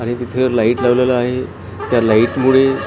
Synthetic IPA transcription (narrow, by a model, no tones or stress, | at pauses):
aɽ̃it̪it̪ʰelaiʈlaʋlalaːɦe | t̪jalaiʈmuɭe